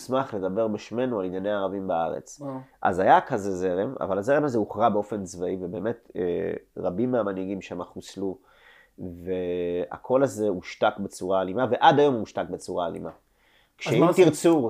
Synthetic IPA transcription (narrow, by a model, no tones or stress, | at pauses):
smaχle̞d̪abe̞ʁbeʃme̞nualinjane̞aːʁavimbaaʁḛt͡sʔa̰zajakazeze̞ʁe̞ma̰valaze̞ʁemazeuχʁabe̞o̞fe̞nzvaivebe̞ːme̞tḛʁabimːeamaniɡimʃemaχuslu | vea̰kʰo̞laze̞uʃtakbe̞t͡suʁaːlimave̞ʔadajo̞muuʃtak̚bet͡suʁaːlḭma | kʃet̪iʁt͡su